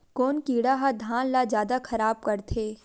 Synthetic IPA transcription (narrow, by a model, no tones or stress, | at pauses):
koːnkiːɽaɦad̪ʱãːnlazjaːd̪akʰɐɾaːb̚kɐɾt̪ʰeː